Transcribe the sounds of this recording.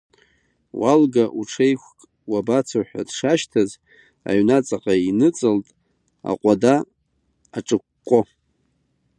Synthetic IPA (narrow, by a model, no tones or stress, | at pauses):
walɡaʔuʈ͡ʂʰejkʷkʼ | wabat͡sʰaħʷᶣa̰dʂaʃtʰaz | a̰ɥnat͡sʼaqʼainɨt͡sʼɨltʼ | a̰qʷʼadaː | ʈ͡ʂʼɨkʷkʷʼːo